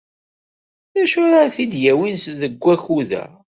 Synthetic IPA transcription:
ðæʃʊɾaθid̪jæwinsðəɡʷːæçuðæ̰

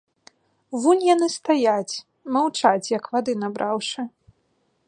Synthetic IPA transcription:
vunʲjanɨst̪ajat͡sʲ | mawt͡ʂat͡sʲjɐkvad̪ɨnabɾʔawʂɨ

